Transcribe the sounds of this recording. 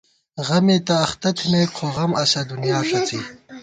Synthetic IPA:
ʁɐmet̪aːxt̪ɐt̪ʰimeqʰoʁɐmɐsɐd̪unjɑːʂɐt͡si

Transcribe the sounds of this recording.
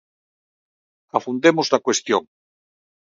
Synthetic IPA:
afund̪emʊzðakwest̪joŋ

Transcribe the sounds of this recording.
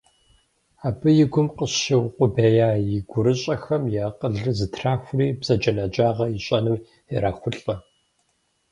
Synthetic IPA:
aːbɨjɪɡʷʊmqəɕɪwqʷʼʊbeːjaːjɪɡʷʊɾɨɕʼɐxɐmjaːqəɮɨzɨtʰraːxʷʊriːbz̥ɐd͡ʒʼɐnɐd͡ʒʼaːʁɐjɪɕʼɐnɨw | ɛɾaːxʷʊɬʼɐ

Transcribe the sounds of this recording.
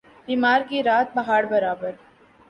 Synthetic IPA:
biːmaːɾkiɾaːt̪̚bɐɦaːɽbɐɾaːbəɾ

